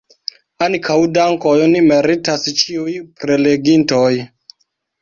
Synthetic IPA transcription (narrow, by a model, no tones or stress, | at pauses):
ankawdaŋko̞jonimeɾitast͡ʃiujpɾe̞le̞ɡintoj